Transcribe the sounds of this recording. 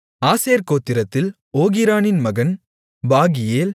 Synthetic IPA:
aːseːɾkoːt̪ːɪɾɐt̪ːɪl | oːɣɪɾaːnɪnmɐɣɐn | baːɣɪjeːl

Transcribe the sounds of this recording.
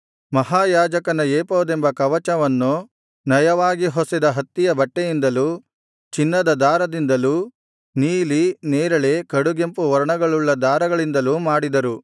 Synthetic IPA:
mɐɦaːjaːd͡ʒɐkɐnɐjeːpɐʋud̪embɐkɐʋɐt͡ʃɐʋɐnːu | nɐjɐʋaːɡiɦɔsid̪ɐɦɐt̪ːijɐbɐʈːejind̪ɐlu | t͡ʃinːɐd̪ɐd̪aːɾɐd̪ind̪ɐlu | niːlineːɾɐɭekɐɽuɡe̞mpuʋɐɾɐɳɐɡɐɭuɭːɐd̪aːɾɐɡɐɭind̪ɐlumaːɽid̪ɐɾu

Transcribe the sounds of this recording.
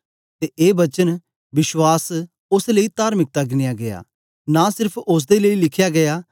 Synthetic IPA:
t̪eʔeːbɐt͡ʃən | bɪʃwaːs | ʊsləit̪aːɾmɪk̚t̪aɡɪnɪjaɡɐja̰ː | nasɪɾpʰʊs̬d̪eləilɪkʰjaɡɐjaː

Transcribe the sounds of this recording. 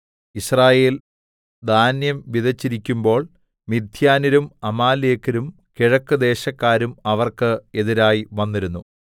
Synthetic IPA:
israːje̞ːl | d̪aːnjɐmʋiðɐt͡ɕːiɾikʲːumbo̞ːɭ | mid̪ʱjaːnɐɾumɐmaːleːkːɐɾum | kiɻɐkːɨd̪e̞ːɕɐkːaːɾumɐʋɐrkɨe̞ðiɾaːjiʋɐnːiɾunːu

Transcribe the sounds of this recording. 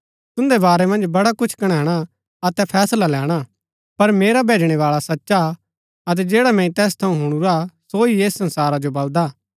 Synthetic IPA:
t̪ʊ̃nd̪ebaːɾɛmɐ̃nd͡ʒbɐɽakʊt͡ʃʰkɐɽ̃ɛːɽ̃a | ɐt̪ɛpʰɛːslalɛːɽ̃a | pɐɾmeːɾabʱeːd͡ʒɽ̃eʋaːɭasɐtːʃa | ɐt̪̬ɛd͡ʒeːɽamɛ̃ĩt̪ɛːst̪ʰɐũɦʊɽ̃uɾasoieːsɐ̃nsaːɾad͡ʒobɐld̪aː

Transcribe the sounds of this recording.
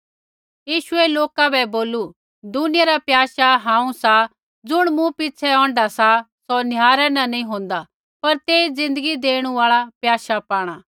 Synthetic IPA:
jiːʃʊɛloːkabɛboːlu | d̪ʊnɪjaɾapjaːʃaɦãːũsa | d͡zʊɽ̃mũpɪt͡ʃʰɛɔ̃ːɳɖasa | sɔnjaːɾɛnɐ̃nɐĩɦõːnd̪a | pɐɾt̪eːid͡zɪ̃nd̪əɡid̪eːɽ̃ũaːɭapjaːʃapaːɽ̃aː

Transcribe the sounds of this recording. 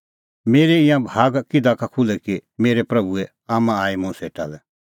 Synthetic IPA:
meːɾeĩjãbʱaːɡkɪd̪akakʰulɛkimeːɾepɾɐbuɛ | aːmãaːimʊ̃seːʈa̰lɛ

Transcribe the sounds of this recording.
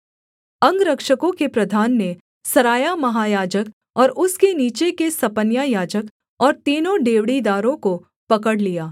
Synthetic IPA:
ɐ̃ŋɡɾɐkʃəkõkepɾɐd̪ʱaːnːe | sɐɾaːjamɐɦaːjaːd͡ʒək | ɔːɾʊskeniːt͡ʃekesɐpənjajaːd͡ʒək | ɔːɾt̪iːnõɖeːʋɽid̪aːɾõko | pɐkəɽlijaː

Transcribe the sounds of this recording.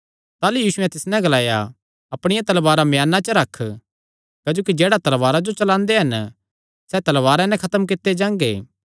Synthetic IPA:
t̪aːlujiːsʊɛ̃t̪ɪsnɛ̃ɡɐlaːja̰ | ɐpɽ̃ɪjãt̪ɐlbaːɾamjaːnat͡ʃəɾɐkʰː | kaːd͡ʒoːkid͡ʒeːɽat̪ɐlʋaːɾad͡ʒot͡ʃɐlãːnd̪eɦɐn | sɛt̪ɐlʋaːɾãnɛ̃kʰɐt̪əmkɪt̪ːed͡ʒãːŋɡḛː

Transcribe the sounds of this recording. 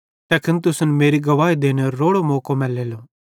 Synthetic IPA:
t̪ɛːkʰənt̪ʊsnmeːɾiɡɐʋaːid̪eːnɛɾoːɽomɔːkomɛːleːlo

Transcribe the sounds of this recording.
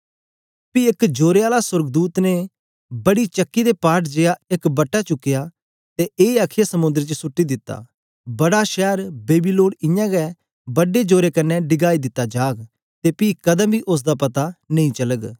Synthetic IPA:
piɪkd͡ʒoːɾeaːlasʊɾɡd̪uːt̪ne | bɐɽit͡ʃɐkːid̪epaːʈd͡ʒejaekbɐʈːat͡ʃʊkːɪjaː | t̪eʔeːaːkʰɪjasɐmʊ̃nd̪əɾt͡ʃəsʊʈːid̪ɪt̪ːa̰ː | bɐɽaʃɛːɾbeːbilõːɽɪ̃jãːɡɛ | bɐɖed͡ʒoːɾekɐnːɛɖɪɡaːid̪ɪt̪ːad͡ʒaːɡ | t̪epiːkɐd̪ə̃mbʱiʔʊs̬d̪apɐt̪anẽĩt͡ʃɐləɡ

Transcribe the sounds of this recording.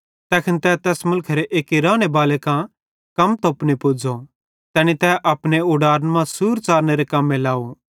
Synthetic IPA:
t̪ɛːkʰɪnt̪ɛt̪ɛːsmʊlkʰeɾeʔeːkiɾaːɽ̃ebaːlekã | kɐmt̪oːpnipʊd͡ʒo | t̪ɛːñit̪ɛʔɐpɽ̃eʊɖaːɾənmãsuːɾt͡ʃaːɾneɾekɐmːẽlaːo

